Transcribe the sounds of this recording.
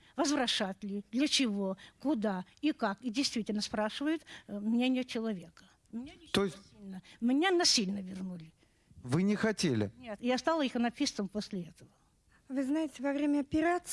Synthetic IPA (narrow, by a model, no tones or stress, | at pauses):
vəzvɾɐʂat̪ʲlʲɪd̪lʲət͡ɕɪvo̞kʊd̪aikakidʲɪjst̪vʲitʲɪlʲnəspɾaʂɨvəjʊt̪mnʲenʲɪjət͡ɕɪlˠɐvʲe̞kə̥ | mnʲeɪt̪ojɪsʲilʲnəmnʲenɐsʲilʲnəvʲɪrnulʲɪ | vɨnʲɪxɐtʲelʲɪ̰nʲet̪jast̪alˠəixənɐpʲist̪səmposʲlʲɪɛt̪əvə | vɨznajɪtʲɪvɐvɾʲemʲəɐpʲɪɾat̪s